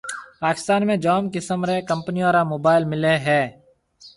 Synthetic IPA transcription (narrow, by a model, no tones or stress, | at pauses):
paːkɪ̥st̪aːnmẽːd͡ʒaːmkɪsəmɾeːkə̃mpniːoːɾaːmoːbaːɪlmɪleːɦɛː